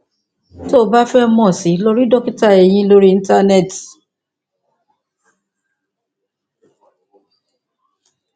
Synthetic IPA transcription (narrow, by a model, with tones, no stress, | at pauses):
to˦˨˦ba˦fɛ˦mɔ̃˨si˨˦lo˦ɾi˦dɔ˦ki˦ta˦˨e˨j̃ĩ˧˦lo˦ɾi˦i˧˦ta˦nɛ˦˨t